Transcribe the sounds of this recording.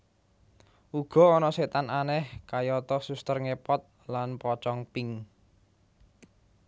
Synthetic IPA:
ʔuɡ̥ɔ̤ɔnɔset̪ananɛhkajɔt̪ɔsust̪ərŋepɔt̪̚ | lanpɔt͡ʃɔŋpɪŋ

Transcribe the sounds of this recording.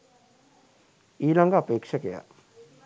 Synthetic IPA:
ilaŋɡapek̚sʰakeja̰

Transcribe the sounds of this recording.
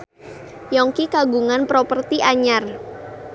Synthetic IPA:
jɔŋkikaɡuŋanpɾɔpərt̪iʔaɲar

